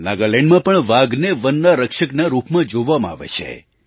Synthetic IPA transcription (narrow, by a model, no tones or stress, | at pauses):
naɡalẽɳɖmãpəɳʋaɡneʋənːaɾəkʃəknaɾupmãd͡ʒoʋamã̰a̰ʋḛt͡ʃʰḛ